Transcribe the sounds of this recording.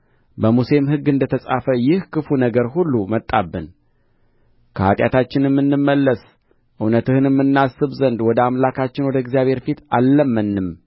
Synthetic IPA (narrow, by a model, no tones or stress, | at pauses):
bəmuse̞mhɨɡːɨnd̪ət̪ʰəsʼafəjɪhkɨfunəɡəɾɦulːumət̪ʼːabːɨn | kʰəat̪ʼjat̪ʰat͡ʃːɪnɨmːɨnːɨmːəlːəs | ʔɨwnət̪ʰɨhɨnɨmːɨnːasːɨβzənd̪wɔd̪əamlakʰat͡ʃːɪnwɔd̪əɪɡzijaβhe̞ɾfit̪alːəmːənːɨm